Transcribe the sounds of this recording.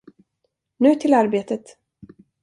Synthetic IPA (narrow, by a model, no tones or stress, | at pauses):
nʉ̟ːt̪ʰɪlaɾbeːt̪ət̪